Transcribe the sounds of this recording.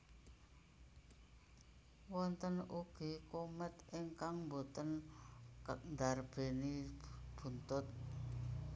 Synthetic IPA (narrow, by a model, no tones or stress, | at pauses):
wɔnt̪ənuɡ̥i̤komət̪ʔiŋkaŋmbot̪ənkək̚nd̪arb̥e̤nib̥ṳnt̪ʊt̪̚